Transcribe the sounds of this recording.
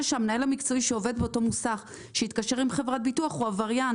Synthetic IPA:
ʃeamenae̞lamikt͡soiʃeo̞ve̞d̪̚beoto̞musaχ | ʃeitkaʃe̞ʁimχevʁat̚bituaχuavaʁja

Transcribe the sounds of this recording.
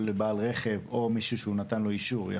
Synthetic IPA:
lebaːlʁe̞χe̞vo̞miʃuʃeunat̪anlo̞iʃuʁja̰

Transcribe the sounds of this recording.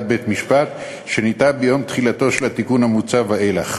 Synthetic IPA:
bet̪miʃpat̪ | ʃe̞nitabejo̞mt̪χilat̪o̞ʃelat̪ikunhamut͡savhaʔela̰χ

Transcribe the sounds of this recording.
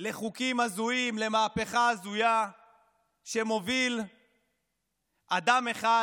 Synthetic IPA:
le̞χukimazuimle̞maːpe̞χaːzuja | ʃe̞mo̞vil | ʔad̪ameχa

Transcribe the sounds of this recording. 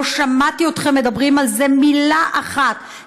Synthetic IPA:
oʃamat̪io̞t̪χemːe̞d̪abʁimalze̞milaʔaχat̪

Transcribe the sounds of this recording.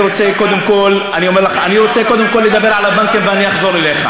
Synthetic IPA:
ʁo̞t͡seko̞d̪emko̞l | anio̞meʁlaχaaniʁo̞t͡se̞ko̞d̪emko̞lːed̪abe̞ʁʕalabaŋkimveaniaχzo̞ɾele̞χa̰

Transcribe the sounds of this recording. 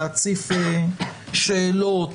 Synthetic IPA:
at͡sife | ʃelot

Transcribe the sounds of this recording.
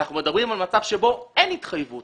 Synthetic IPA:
aχnumed̪abʁimalmat͡savʃebo̞enit̪χajvut

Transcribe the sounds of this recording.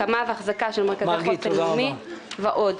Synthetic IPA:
amaveaχzakaʃelmekaziɡitelmiveʔod

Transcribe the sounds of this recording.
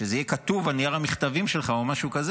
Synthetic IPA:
ʃezejekat̪uvanijaʁamiχt̪avimʃelχaomaʃukaze

